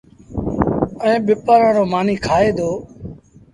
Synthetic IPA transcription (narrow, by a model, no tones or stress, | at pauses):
əẽːɓɪpəɾãːɾoːmaːniːkʰaːeːd̪oː